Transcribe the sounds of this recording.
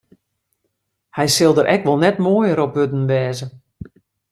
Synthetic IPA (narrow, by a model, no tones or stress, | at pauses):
hɛjsɪlˠdəɾʔɛkʋɔlˠnɛtmoːjəɾɔp̚ʋødn̩ʋɛːzə